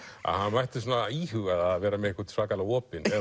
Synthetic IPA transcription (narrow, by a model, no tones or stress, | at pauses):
a̰ðhanvajht̪ɪsoːnaiɦʏɣaðaðvɛːɾamɛðehkvat̪svaːkalaɔːpɪnɛ